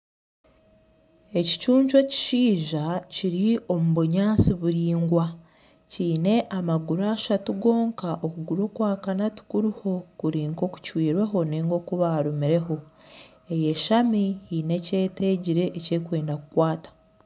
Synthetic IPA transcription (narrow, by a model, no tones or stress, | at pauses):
e̞ci̥t͡ʃuːɲt͡ʃwe̞ci̥ʃiːʒaciɾio̞muβuɲaːsiβuɾiːŋɡwa | ciːne̞ʔamaɡuɾaːʃatuɡo̞ːŋkaʔokuɡuɾo̞ːkwaːkanatu̥kuɾiho̞kuɾiːŋko̞ku̥cwiːɾwe̞ɦo̞neːŋɡo̞kuβaɾumiɾe̞ɦo̞ | e̞je̞ʃamihiːne̞ce̞ːte̞ɟiɾe̞ʔːce̞ːkwe̞ːndakukwaːtḁ